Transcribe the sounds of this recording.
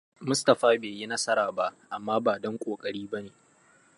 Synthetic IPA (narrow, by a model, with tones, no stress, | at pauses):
mʊ˦stɐ˨ɸaː˦beː˨ji˦nɐ˦sɐ˦ɾaː˨ba˦ʔʔa˨mːaː˦baː˨dɔ˦ŋkʷʼoː˨kʼɐ˦ɽiː˦bɐ˦neː˨